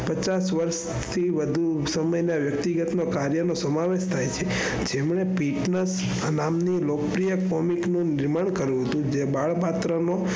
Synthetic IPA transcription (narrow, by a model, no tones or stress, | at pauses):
pət͡ʃasʋəɾʃ | t̪ʰiʋəd̪ʱusəməjnaʋjək̚t̪iɡət̪nokaɾjənosəmaʋeʃt̪ʰajt͡ʃʰe | d͡ʒemɳepiʈnəs | namnilokpɾijəkɔmiknũnɪɾmaɳkəɾjũɦət̪ũd͡ʒebaɭpat̪ɾəno